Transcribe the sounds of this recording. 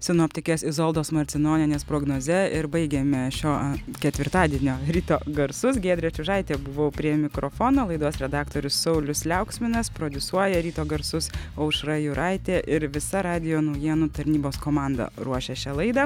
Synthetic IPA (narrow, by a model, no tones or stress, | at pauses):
sʲɛnoːpʲt̪ʲɪkʲeːsɪzoːlˠd̪oːsmɐɾʲtt͡s̪ʲɪnoːnʲɪnʲeːspɾoːɡnoːzʲɛɪɾbɐɪɡʲeːmʲɛʃʲoːkʲɛt̪ʲʋʲɪɾt̪ɑːd̪ʲiɛnʲoːɾʲiːt̪oːɡɐɾsʊsɡʲeːd̪ʲɾʲɛt͡ʃʲʊʒɑɪt̪ʲeːbʊʋoʊpʲɾʲiɛmʲɪkɾo̰ːfoːnoːlˠɐɪd̪uɔsɾʲɛd̪ɑːkt̪oːɾʲʊssɐʊlʲʊslʲɛʊksʲmʲɪnɐspɾoːd̪ʲʊsuɔjɛɾʲiːt̪oːɡɐɾsʊsɐʊʃɾɑjʊɾʔɑɪt̪ʲeːʔɪɾʋʲɪsɐɾɑːd̪ʲɪjoːnɐʊjiɛnut̪ɐɾʲnʲiːboːskoːmɑːnd̪ɐ̰ɾuɔʃʲeʃʲɛlˠɐɪd̪ɐ